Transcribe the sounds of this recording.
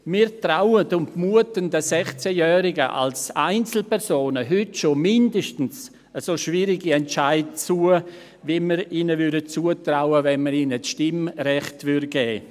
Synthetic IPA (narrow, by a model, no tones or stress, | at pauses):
miːɾtrawədʊntmuətəndəsɛχt͡sɛjɛːɾɪɡəʔa̰lsaɪnt͡sl̩pɛɾsoːnəɦʏtʃomɪndəʃtn̩s | əsoʃviɾɪɡiɛnt͡ʃaɪdt͡suːə | viməɾiːnəvʏɾdət͡suːətɾaʊəvɛnməɾiːnət͡sʃtɪmɾɛχtvʏɾɡ̥ɛː